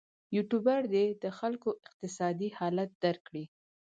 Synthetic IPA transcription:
juʈubaɽd̪ed̪əxalkoʔɪq̚t̪ɪsɑd̪ihɑlat̪̚d̪̥aɾkːɽi

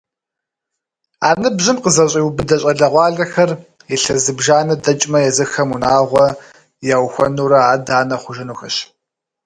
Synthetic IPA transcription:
aːnɨbʑɪmqəzɐɕʼiːwbɨdɐɕʼɐɮɐʁʷɑːɮɐxɐr | iɬɐzɨbʒaːnɐdɐt͡ʃʼmɐjɛzɨxɐmunaːʁʷɔ | jaːwxʷɔ̰nuːɾɐaːdaːnɐχʷʊʒɐnuːxɐɕ

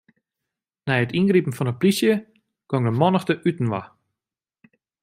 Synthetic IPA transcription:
nɛjətinɡripn̩fɔnəplisjə | koŋdəmɔnəxtəʔytn̩ʋa̰

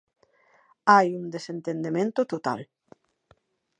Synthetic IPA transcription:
ajund̪esent̪end̪emẽnt̪ot̪ot̪a̰l

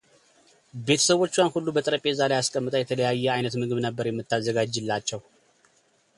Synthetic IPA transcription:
be̞t̪ʰə̥səβwo̞t͡ʃːwanhulːubət̪ʼəɾəpʼezalajaskʼəmːɨt̪ʼəjɛt̪ʰələjajːɛajnət̪mɨɡɨβnəbːəɾjɛmːɨt̪ːazːəɡad͡ʒːɨlːat͡ʃːɛw

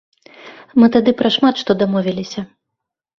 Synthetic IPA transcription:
mɨt̪ad̪ɨpɾɐʂmat̪ʂt̪ɔd̪amɔvʲilʲisʲɐ

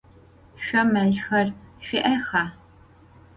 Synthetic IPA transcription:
ʃʷɔmɐɮxɐrʃʷɪʔɐxaː

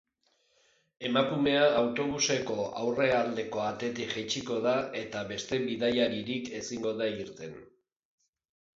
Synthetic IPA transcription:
e̞makume̞aːwt̪o̞β̞use̞ko̞awre̞ald̪e̞ko̞at̪e̞t̪iʝet͡ʃiko̞ðae̞t̪aβe̞st̪e̞βiðajaɾiɾike̞siŋɡo̞ðaiɾt̪e̞n

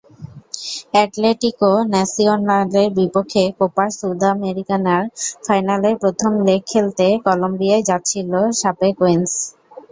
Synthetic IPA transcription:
ɛʈleʈikonɛsionaleɾbipokʰːekopaɾsud̪ameɾikanaɾfajnaleɾpɾot̪ʰomlekʰːelt̪ekɔlombiaed͡ʑat̪ːɕʰiloʃapekoens

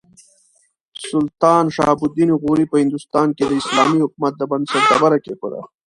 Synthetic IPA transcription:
sʊlt̪ɑːnʃɑːbud̪iniɣuɾipəhɪnd̪ust̪ɑːnked̪əɪslɑːmihʊk̚umat̪̚d̪əbɐnd̪sɐɾd̪abaɾakeko̰d̪a̰

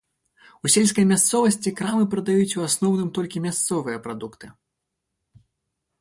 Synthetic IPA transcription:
usʲelʲskɐjmʲast̪sɔvɐsʲt͡sʲikɾamɨpɾɐd̪ajut͡sʲuasnɔwnɨmt̪ɔlʲkʲimʲast̪sɔvɨjɐpɾad̪ukt̪ɨ

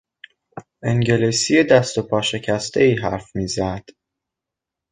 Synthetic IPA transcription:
ʔeŋɟe̞lisijed̪æst̪o̞pʰɒːʃe̞cʰæst̪ʰe̞iːɦæ̰ɾfmiːzæd̪̥

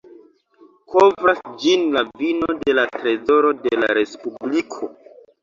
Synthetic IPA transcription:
kʰo̞vɾasd͡ʒinlavino̞de̞latɾe̞zo̞ɾo̞dela̰ɾe̞spublikʰo̞

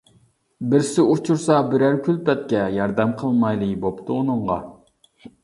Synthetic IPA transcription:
bɪɾsɪot͡ʃʰuɾsɑbɪɾæɾkʲʰylpɛt̪̚kʲɛjɑɾd̪ɛmqʰəlˠmɑjlˠɨbopt̪ʰɨonɨɴʁɑ̰

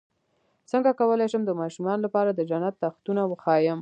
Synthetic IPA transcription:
səŋɡakawəlajʃəmd̪əmɑʃumɑnolapɑɾad̪əd͡ʒanat̪ːaxt̪unawəxɑjəm

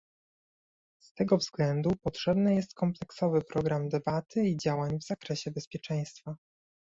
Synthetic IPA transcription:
st̪ɛɡɔvzɡlɛnd̪upɔtʂɛbnɘjɛst̪̚kɔmplɛksɔvɘpɾɔɡɾamd̪ɛbat̪ʰɘid͡ʑawaɲvz̥akɾɛɕɛbɛspʲjɛt͡ʂɛj̃st̪fa

